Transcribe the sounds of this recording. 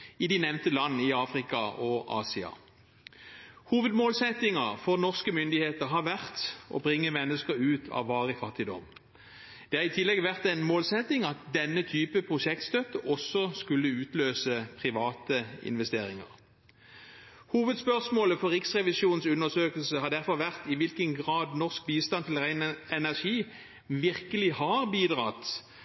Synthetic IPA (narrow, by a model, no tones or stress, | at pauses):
ɪd̪ɪnɛʋnt̪əlɑnːɪɑːfʁɪkɑɔʔɑ̰ːsɪɑ̰ | huːʋəd̪moːlsɛt̪ɪŋəʁfɔʁnɔʁskəmʏnd̪ɪheːt̪əʁɦɑʋæʁt̪ʔɔ̰ːbʁɪŋːəmɛnːəskəʁʉːt̪ʰɑ̰ːʋʋɑːʁəfɑt̪ːɪd̪ɔ̰m | d̪̥ɛːhɑːʁɪt̪ʰɪlːɛɡʋæʁt̪ɛɪnmoːlsɛt̪ɪŋɑt̪̚d̪ɛnːət̪ʰyːpəpʰʁʊʃɛkt̪st̪œt̪əʔɔsɔskʉlːəʉːt̪løːsəpʰʁɪʋɑːt̪əɪ̰nʋɛst̪eːɾɪŋə̰ʁ | huːʋəd̪spœʁsmoːləfɔɾʁɪksʁɛʋɪsuːnn̩sʉnəsøːkəlsəhɑd̪æʁfɔʁʋæʁt̪ɪʋɪlkənɡʁɑːd̪nɔʁsk̚biːst̪ɑnt̪ʰɪlʁæɛnæʁʂiː | ʋɪʁkəlɪhɑʁbiːd̪ʁɑːt̪